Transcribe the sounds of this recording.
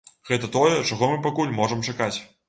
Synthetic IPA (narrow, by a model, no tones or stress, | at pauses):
ɣɛt̪ɐt̪ɔjɛt͡ʂaɣɔmɨpakulʲmɔʐɐmt͡ʂakat͡sʲ